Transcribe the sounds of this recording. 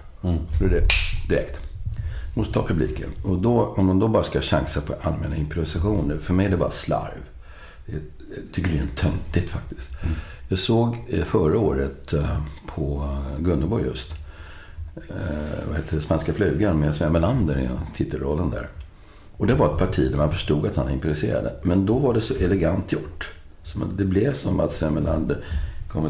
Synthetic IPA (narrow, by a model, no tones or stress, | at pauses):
d̪ɔɛd̪ɛd̪ɪɾɛkt̪ | mɔst̪ət̪ʰɑːpʰɵblḭːkə̰nɔd̪ɔɔmd̪and̪ɔbɑːɾaskaɕa̰ŋsapʰɔʔalmɛːnːaɪmpɾɔvɪsaɧuːnəfœɾmɛjæɖɛbɑ̰ːɾasla̰ɾv | d̪ɛ | t̪ʰʏkːəɾɛnt̪ʰːœŋt̪ɪt̪fak̚t̪ɪ̥st̪jɑːɡsoːɡfœɾaoːɾət̪pʰɔɡɵnːəbɔɾjɵ̰st̪ | vaheːt̪ːədɛspanskaflʉ̟ːɡanmɛsvɛɾmɛland̪əɾɪ̰nt̪ʰɪt̪ʰːəlɾɔlːənd̪æ̰ːɾ | ɔd̪ɛvaɾɛt̪̚pʰaʈʰiːd̪æɾmanfœʂʈuːɡat̪hanɪmpɾʊɾɪsḛːɾa̰d̪ə̰mɛnd̪ɔvaɖɛsɔʔɛlɛɡant̪ːjʊʈː | sɔmd̪ɛblɛvsɔma̰t̪sɛmɛla̰nd̪əɾkʰɔmːə